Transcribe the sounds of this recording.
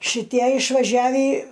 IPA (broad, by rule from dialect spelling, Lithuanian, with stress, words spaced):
ʃʲɪˈtʲiɛ ɪʃʋɐˈʒʲæːʋʲiː